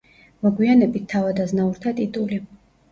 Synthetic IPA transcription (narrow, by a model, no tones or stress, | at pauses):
mɔɡwianɛbit̪̚ʰːavad̪aznauɾt̪ʰat̪ʼit̪ʼuli